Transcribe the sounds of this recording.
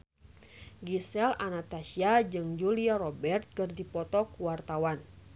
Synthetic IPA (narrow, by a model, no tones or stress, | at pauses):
ɡisɛlanat̪asiad͡ʒɨŋd͡ʒuliaɾɔbɛrt̪̚kɨrdipɔt̪ɔkuwart̪awan